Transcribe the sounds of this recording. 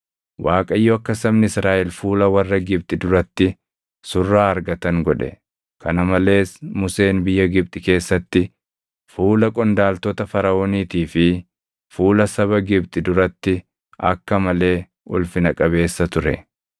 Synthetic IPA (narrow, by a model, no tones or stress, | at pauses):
waːkʼɐɪjːɔɐkːɐsɐbnɪɪsɾaːʔɛlfuːlɐwɐrːɐɡɪb̚t̪ʼɪd̪ʊɾɐt̪ːɪ | sʊrːaːɐɾɡɐt̪ɐŋɡɔᶑɛ̰ | kɐnɐmɐle̞ːsmʊse̞ːnbɪjːɐɡɪbt̪ʼɪke̞ːsːɐt̪ːɪ | fuːlɐkʼɔnd̪aːlt̪ɔt̪ɐfɐɾɐoːniːt̪iːfɪ | fuːlɐsɐβɐɡɪbt̪ʼɪd̪ʊɾɐt̪ːɪ | ɐ̰kːɐmɐle̞ː | ʔʊlfɪnɐkʼɐβe̞ːsːɐt̪ʊɾɛ̰